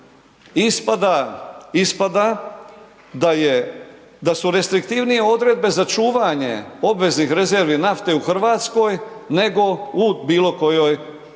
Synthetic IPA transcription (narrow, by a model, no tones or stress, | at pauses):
ispad̪aispad̪a | aje | d̪asuɾe̞st̪ɾikt̪iʋnije̞o̞d̪ɾe̞d̪̚be̞zat͡ʃuːʋaɲe̞̰o̞bʋe̞znixɾe̞ze̞ɾʋinaft̪e̞uxr̩ʋaːt̪sko̞jne̞ɡo̞ubiːlo̞ko̞jo̞j